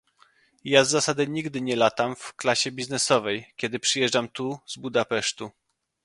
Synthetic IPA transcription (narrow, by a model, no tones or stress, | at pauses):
jazːasad̪ɘɲiɡd̪ɘɲɛlat̪amfklaɕɛbʲiznɛsɔvɛjkʲɛd̪ɘpʂɘjɛʐd͡ʐamt̪uzbud̪apɛʂt̪u